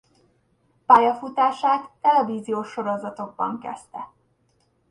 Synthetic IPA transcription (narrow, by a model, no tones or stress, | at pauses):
paːjɒfut̪aːʃaːt̪ːɛlɛviːzijoːʃːo̞ɾo̞zɒt̪o̞ɡ̚bɒ̰ŋkɛ̰st̪ɛ